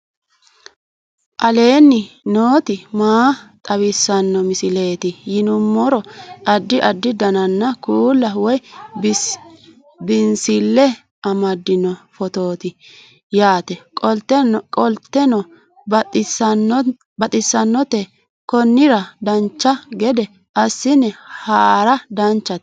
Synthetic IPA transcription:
ʔʼɐle̞ːnːɪnoːt̪ɪmaːt̪ʼɐwɪsːɐnːɔmɪsɪle̞ːt̪ɪjɪnʊmːɔɾɔʔɐd̪ːɪʔɐd̪ːɪd̪ɐnɐnːɐkuːlːɐwɔj | bɪnsɪlːɛ | ɐmɐd̪ːɪnɔfɔt̪o̞ːt̪ɪ | jaːt̪ɛkʼɔlt̪ːɛnkʼɔlt̪ːɛnɔ | bɐt̪ʼɪsːɐnːɔt̪ɛ | kɔnːɪɾɐd̪ɐnt͡ʃːɐɡɛd̪ɛ | ɐsːɪnːɛhaːɾɐd̪ɐnt͡ʃːɐt̪

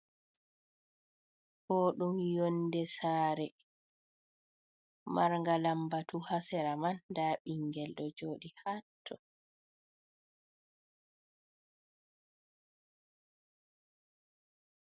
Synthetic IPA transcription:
hɔːɗumjondɛsaːɾɛ | maɾŋɡalambatuhasɛɾamandaːɓiŋɡɛlɗɔd͡ʒoːɗihatʰːɔ

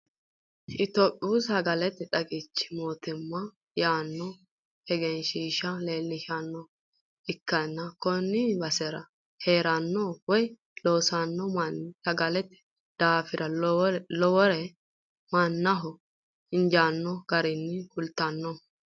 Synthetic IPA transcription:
ʔɪt̪oːpʼːɪuːsɐɡɐlɛt̪ːɛt̪ʼɐɡɪt͡ʃːɪ̥moːt̪ɪmːɐ | jaːnːɔ | hɛɡɛnʃiːʃɐleːlːɪʃanːɔ | ɪkːɐnːɐkɔnːɪbɐsɛɾɐ | heːɾɐnːɔwɔj | loːsɐnːɔnɐɡɐlɛt̪ːɛ̥ | d̪̥aːfɪɾʔɐlɔwɔɾɛ | mɐnːɐɦɔ | ɪnd͡ʒaːnːɔɡ̥ɐɾɪnːɪkʊlt̪ːɐnːɔ

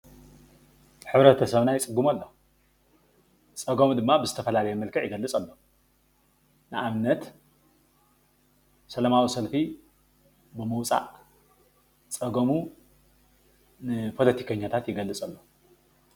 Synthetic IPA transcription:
ħɨβɾɐt̪ʰɐsɐβnajɪt͡sʼɨɡːumalːo̞ | t͡sʼɐɡɐmd̪ɨmːabɨzɨt̪ʰɐfɐlalɐjemɐlkʰɐʕjɪɡɐlːɨt͡sʼɐlːo̞ | nɨʔaβɨnːɐt̪ | sɐlɐmawisɐlfi | bɨmɨwt͡sʼa̰ʔ | t͡sʼɐɡɐmu | nɨpʰo̞lɐt̪ʰi̥kʰɐɲːat̪ʰat̪jɪɡɐlːɨt͡sʼɐlːo

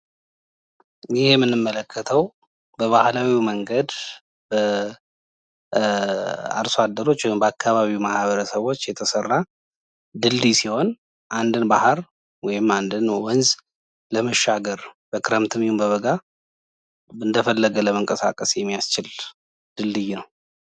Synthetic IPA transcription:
jɪhjɛmːɨnːɨmːələkʰːət̪ʰəw | bəβahlawiməŋɡəd̪ | b̥ə | a̰ɾsoad̪ːəɾo̞t͡ʃːwɔjɪmbəakʰːaβaβiwmahβəɾəsəβo̞t͡ʃːjɛt̪ʰəsərːa | d̪ɨld̪isiho̞n | ʔand̪ɨnbahəɾ | wɔjɪmːand̪ɨnwɔnz | ləməʃːaɡəɾb̥əkʰɨɾəmt̪ʰɨmjhumbəβəɡa | ɨnd̪əfəlːəɡələməŋkʼəsa̰kʼəsjɛmːijast͡ʃɪl | d̪̥ɨld̪ɨjnəw

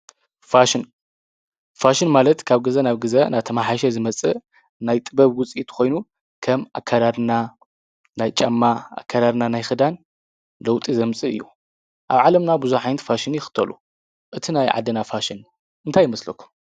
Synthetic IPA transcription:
faʃɪn | faʃinmalɐt̪kʰaβɡɨzɐnaβɡɨzɐnaβt̪ʰɐmaħaʃ̬ɛzɨmɐt͡sʼɨ | najt̪ʼɨbɐβwʊt͡sʼit̪ʰkʰo̞jnu | kʰɐmʔa̰kʰːaɾad̪na | najt͡ʃʼɐmːaa̰kʰːad̪ad̪nanajxɨd̪an | lɐwt̪ʼizɐmt͡sʼɨɨ̰jːṵ | ʔaβʕalɐmnabuzuħajnt̪faʃinjɪxɨ̥t̪ʰːɐlu | ʔɨt̪ʰinajʕa̰d̪ːɐnafaʃɪn | ʔɨnt̪ʰajːɪmɐslɐkʰːu̥

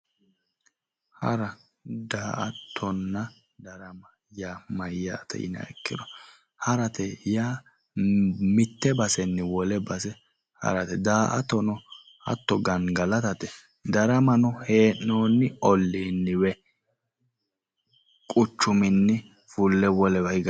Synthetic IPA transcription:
hɐ̰ɾɐ | d̪aːʔɐt̪ʰːɔnːɐ | d̪ɐɾɐmɐ | jaːmɐjːa̰ːt̪ɛ̰ɪ̰nɐ̰ɛ̰kːɪd̪ɔ | hɐɾɐt̪ɛjaː | mɪt̪ːɛbɐsɛnːɪwɔlɛbɐsɛ | hɐ̰ɾɐt̪ɛd̪aːʔɐt̪ːɔnɔ | hɐ̰t̪ːɔɡɐŋɡɐlɐt̪ɐt̪ɛ | d̪ɐɾɐmɐnɔheːʔːoːnːɪɔlːinːɪwɛ | kʼʊt͡ʃːʊmɪnːɪ | fʊlːɛwɔlɛwɐɪɡ

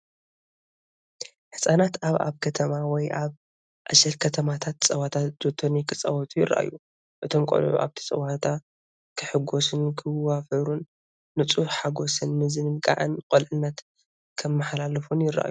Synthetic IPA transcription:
ħɨsʼanat̪aβa̰βkʰɐt̪ʰɐmawɔjʔaβ | ʔaʃɐlkʰɐt̪ʰɐmat̪ʰat̪t͡sʼɐwat̪ʰat̪d̪̥ot̪ʰːonikʰɨt͡sʼɐ̰wɔt̪ʰʼujɪrːa̰ʔa̰jːu | ʔɨt̪ʰo̞mkʼo̰lʕṵʔa̰βt̪ʰi̥sʼɐ̰wat̪ʰa | kʰɨħɨɡo̞sɨnkʰɨwafɐɾunː | ɨt͡sʼuħħaɡo̞sɨnmɨzɨnɨnkʼa̰ʕɨ̰nkʼolʕɨnːɐt̪ | kʰɐmːɨħalalɨfunjɪɾa̰ʔa̰ju

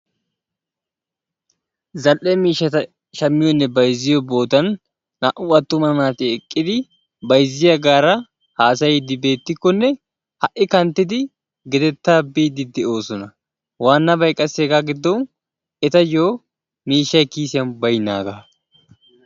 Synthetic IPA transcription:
zɐlʔɛmiːʃːɐt̪ɐ | ʃɐmːɪjɔnːɛbɐjzɪjɔbo̞ːt̪ɐnː | aːʔʊɐt̪ːʊmɐnaːt̪ɪɛkʼːɪd̪ɪ | bɐjzɪjɐɡaːɾɐ | haːs̬ɐjɪd̪ɪbe̞ːt̪ːɪkːɔnːɛ | hɐʔɪkɐnt̪ːɪd̪ɪ | ɡɛd̪ɛt̪ːaːbiːd̪ɪd̪ɛo̞ːsɔnɐ | waːnːɐbɐjkʼɐseːɡaːɡɪd̪ːɔw | ɛt̪ɐjoː | miːʃːɐjkiːsɪjɐnbɐjna̰ːɡaː

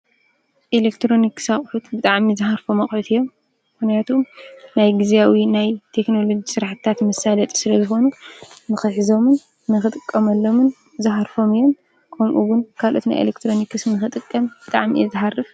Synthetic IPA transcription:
ʔelekt̪ʰɾo̞niksaχʼħut̪bɨt̪ʼaʕmizɨħaɾfomɐxʼħut̪ʰɨjːo̞m | mɨxnijat̪ʰomnajɡizijawinajt̪ʰe̞kno̞lo̞d͡ʒisɨɾaħt̪t̪ʰat̪mɐsalɐt̪ʼsɨlɐzɨxo̞nunɨxɨħɨzo̞mɨn | nɨxɨt̪ʼɨkʼːɐmɐlːo̞mɨn | zɨħaɾfo̞mɨjom | kʰɐmʔuɡʊnkʰalʔo̞t̪na̰jʔḛlekt̪ʰɾo̞nikɨsnɨxɨt̪ʼɨkʼːɐmb̥ɨt̪ʼa̰ʕmḭɛzɨħarːɨf

